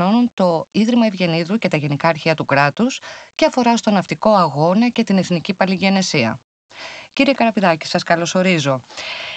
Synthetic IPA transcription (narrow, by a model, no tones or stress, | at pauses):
o̞nunt̪o̞iðɾimɐevʝe̞niðuce̞t̪ɐʝe̞nikɐːɾçiɐt̪ukɾɐt̪usce̞ɐfo̞ɾɐst̪o̞nɐft̪iko̞ɐɣo̞nɐce̞t̪ine̞θnicipɐliʝe̞ne̞siɐ̰ | ciɾie̞kɐɾɐpiðɐci̥sɐskɐlo̞so̞ɾizo̞